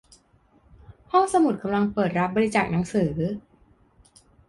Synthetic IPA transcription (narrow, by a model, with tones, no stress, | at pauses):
hɔ˥˩ŋsa˧mu˨˩t̪̚kʰa˧mla˧ŋpɤː˨˩t̪̚ɾa˦˥p̚bɔː˧ɾi˧t͡ɕaː˨˩k̚na˩˦ŋsɯː˩˦